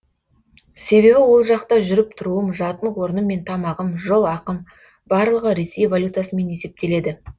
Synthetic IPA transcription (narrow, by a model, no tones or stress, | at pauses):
se̞βe̞βɪwo̞lˠʒɑqt̪ɑʒʏɾɪp̚t̪ʰʊɾuəmʒɑt̪ənwo̞ɾənəmːe̞nt̪ʰɑmɑʁəmʒolˠɑqəm | bɑɾlˠəʁəɾe̞se̞jvalʲjut̪asəme̞ne̞se̞p̚t̪e̞le̞d̪ɪ